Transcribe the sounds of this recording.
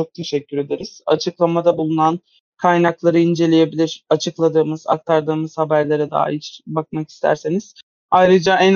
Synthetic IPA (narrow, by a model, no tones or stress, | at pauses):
ok̚t̪ʰe̞ʃɛcːyɾe̞d̪eɾiz̥a̰t͡ʃʰɯklˠamad̪abulˠunan | kʰajnaklˠaɾɯind͡ʒe̞lʲeje̞bilʲiɾ̥at͡ʃʰɯklˠad̪ɯːmɯza̰k̚t̪ʰaɾd̪ɯːmɯz̥habæɾlʲe̞ɾɛd̪a̰ːa̰it͡ʃbak̚maki̥st̪ʰæ̰ɾseniz̥ | ajɾɯd͡ʒaʔæn